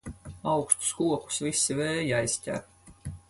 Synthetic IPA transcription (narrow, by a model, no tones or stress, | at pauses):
awkʃt̪u̥skuɔku̥svisːiveːjajsʲcʲæ̰ɾ